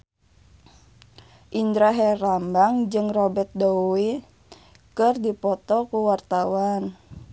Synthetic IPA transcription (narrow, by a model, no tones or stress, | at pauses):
ʔind̪ɾaɦɛrambaŋd͡ʒɨŋrɔbɛrt̪̚dɔwi | kɨrdipɔt̪ɔkuwart̪awan